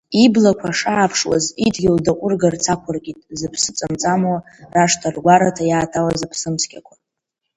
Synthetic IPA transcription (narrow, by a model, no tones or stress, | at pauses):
iblakʷʰaʂaːpʰʂwa̰zidɡʲɪldaqʷʼʊrɡart͡sʰakʷʰʊrɡʲʼitʼzɨpʰsɨt͡sʼamt͡sʼamwa | raʂtʰarɡʷaɾatʰajaːtʰawazapʰsɨmskʲʼa̰kʷʰa